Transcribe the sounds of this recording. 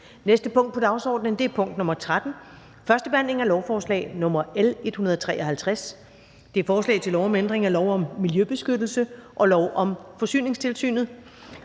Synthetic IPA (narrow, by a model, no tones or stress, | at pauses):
nesd̥əpʰɔ̽ŋ̰d̥pʰɒd̥ɑ̈ʊsɒ̰ːd̥nənd̥e̝æɐpʰɔ̽ŋ̰d̥nɔ̽mɐt͡sʰʁad̥n̩ | fɶɐsd̥əb̥e̝hæn̰le̝ŋælɒʊfɒːslɛ̰ːɪnɔ̽mɐele̝d̥hunɐð̞ˠt͡sʰʁɛ̰ːɒ̽hælt͡sʰʁas | d̥e̝æɐfɒːslɛ̰ɪt͡sʰe̝lɒʊɒ̽mend̥ʁeŋælɒʊɒ̽mːiljøb̥e̝sɡ̥ød̥l̩səʔɒ̽lɒʊʔɒ̽mfɒ̽sy̰ːne̝ŋst͡sʰe̝lsy̰ːnð̩ˠ